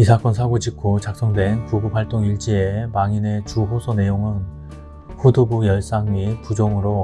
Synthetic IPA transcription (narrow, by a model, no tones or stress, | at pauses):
isʰak͈ʌnsʰaɡod͡ʑikʰot͡ɕak̚s͈ʌŋdwe̞npuɡup̚haɭt͈oŋiɭt͡ɕ͈iemaŋine̞t͡ɕuɸosʰone̞joŋɯn | ɸudubujʌɭs͈aŋmipud͡ʑoŋɯɾo